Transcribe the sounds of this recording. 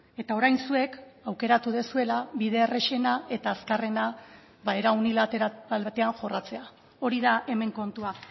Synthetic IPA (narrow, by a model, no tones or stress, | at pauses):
e̞t̪ao̞ɾajnsue̞kawke̞ɾat̪uðe̞sue̞laβiðe̞ːre̞ʃe̞nae̞t̪aːskare̞na | βae̞ɾaunilat̪elt̪e̞aŋʝo̞rat͡se̞a | o̞ɾiðaʔe̞me̞ŋko̞nt̪ua